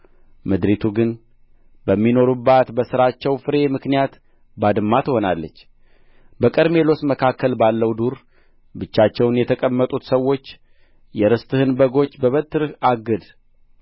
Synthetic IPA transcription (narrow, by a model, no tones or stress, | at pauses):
mɨd̪ɾit̪ʰuɡɨn | bəmːino̞ɾubːat̪bəsɨɾat͡ʃːɛwfɨɾe̞mɨknijat̪ | bad̪ɨmːat̪ʰɨho̞na̰lːət͡ʃː | bəkʼəɾme̞lo̞sməkʰakːəlbalːəwd̪uɾ | bɨt͡ʃːat͡ʃːɛwnjɛt̪ʰəkʼəmːət̪ʼut̪səwːo̞t͡ʃː | jɛɾɨst̪ʼɨhɨnbəɡo̞t͡ʃːbəβət̪ːɨɾɨhaɡɨd̪